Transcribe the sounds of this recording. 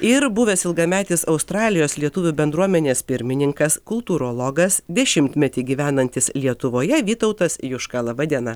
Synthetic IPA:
ɪɾbʊʋʲeːsɪlˠɡɐmʲæːt̪ʲɪsɒʊst̪ɾɑːlʲɪjoːslʲiɛt̪ʊʋʲuːbʲɛnd̪ɾuɔmʲɛnʲeːspʲɪɾʲmʲɪnʲɪŋkɐskʊlˠt̪uːɾoːlˠoɡɐsd̪ʲɛʃʲɪmʲt̪ʲmʲɛt̪ʲiːɡʲiːʋʲæːnɐnʲt̪ʲɪslʲiɛt̪ʊʋoːjɛʋʲiːt̪ɐʊt̪ɐsjʊʃkɑlˠɐbɐd̪ʲinɐ

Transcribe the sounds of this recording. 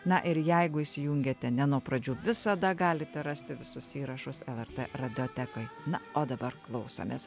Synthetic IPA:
nɐʔɪɾjɛɪɡʊiʃʲsʲɪjʊŋʲɡʲeːt̪ʲɛnʲɛnuɔpɾɐd͡ʒʲuːʋʲɪsɐd̪ɐɡɑːlʲɪt̪ʲɛɾɑsʲt̪ʲɪʋʲɪsʊsiːɾɐʃʊsɛlˠɛrt̪erɐd̪ʲɪoːt̪ʲækojnɐoːd̪ɐbɐɾklˠɒʊso̰mʲḛːs

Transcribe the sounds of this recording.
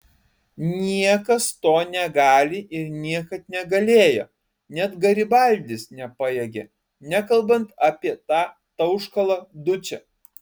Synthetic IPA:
nʲiɛkɐst̪oːnʲɛɡɑːlʲɪʔɪɾnʲiɛkɐt̪̚nʲɛɡɐlʲeːjo̰ː | nʲɛt̪ɡɐɾʲɪbɐˑlʲd̪ʲɪsnʲɛpɑjɛɡʲe | nʲɛkɐlˠbɐnt̪ɑpʲiɛt̪ɑː | t̪ɐʊʃkɐlˠɐd̪ʊt͡ʃʲɛ

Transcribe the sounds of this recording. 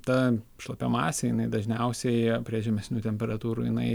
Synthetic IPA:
t̪ɐʃlˠɐpʲomɑːsʲejɪnɐɪd̪ɐʒʲnʲɛʊsʲɛɪpʲɾʲiɛʒʲɛmʲɛsʲnʲuːt̪ʲɛmʲpʲɛɾɐt̪uːɾuːjɪnɐɪ

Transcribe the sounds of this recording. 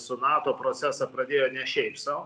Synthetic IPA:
sʊnɑːt̪oːpɾoːt͡s̪ʲæːsɐpɾɐd̪ʲeːjoːnʲɛʃʲɛɪpsɐʊ

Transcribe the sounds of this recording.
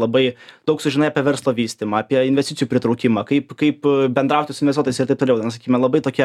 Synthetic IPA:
lˠɐbɐɪd̪ɐʊksʊʒʲɪnɐɪɑpʲiɛʋʲɛɾslˠoːʋʲiːsʲt̪ʲɪmɐɑpʲiɛɪnʲʋʲɛst̪ʲɪt͡sʲɪjuːpʲɾʲɪt̪ɾɐʊkʲɪmɑːkɐɪpkɐɪpbʲɛnd̪ɾɐˑʊt̪ʲɪsʊnʲʋɛsʲt̪uːt̪ojsɪɾt̪ɐɪpt̪oːlʲɛʊnɐsɐkʲiːmʲɛlˠɐbɐɪt̪oːkʲɛ

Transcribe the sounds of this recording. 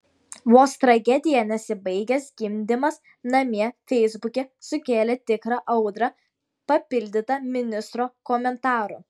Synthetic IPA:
ʋoːst̪ɾɐɡʲɛd̪ʲɪjɛnʲɛsʲɪbɐɪɡʲɛsɡʲɪmʲd̪ʲɪmɐs | nɐmʲiɛfʲɛɪzbʊkʲesʊkʲeːlʲet̪ʲɪkɾɐʔɐʊd̪ɾɐ | pɐpʲɪlʲd̪ʲɪt̪ɐmʲɪnʲɪst̪ɾoːkoːmʲɛnt̪ɑːɾṵː

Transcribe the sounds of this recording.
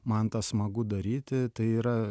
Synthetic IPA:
mɐnt̪ɑsmɐɡʊd̪ɐɾʲiːt̪ʲɪt̪ɐɪiːɾɐ

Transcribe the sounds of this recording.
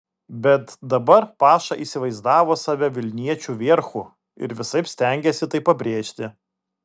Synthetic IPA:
bʲɛt̪d̪ɐbɐɾpɑːʃɑʔiːsʲɪʋɐɪzd̪ɑːʋoːsɑːʋʲɛʋʲɪlʲnʲiɛt͡ʃʲuʋʲeɾxʊ | ɪ̰ɾʋʲɪsɐɪpsʲt̪ʲɛˑŋʲɡʲɛsʲɪt̪ɐɪpɐbʲɾʲeːʃʲt̪ʲɪ

